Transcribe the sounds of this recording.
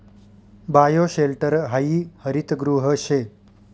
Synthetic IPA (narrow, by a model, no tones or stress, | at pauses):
bajoɕelʈəɾɦaihəɾit̪ɡɾuɦəɕe